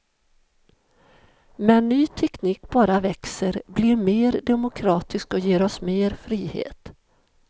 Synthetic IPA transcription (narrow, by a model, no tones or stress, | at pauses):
mɛnːyːt̪ʰɛkniːkbɑːɾavɛksəɾblɪɾmeːɾd̪ɛmʊkʰɾɑːt̪ɪskɔjeːɾɔsmeːɾfɾiːhḛːt̪